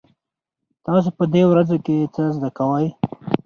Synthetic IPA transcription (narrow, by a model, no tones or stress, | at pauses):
t̪ɑs̬opəd̪ewɾazoket͡səzd̪akawəj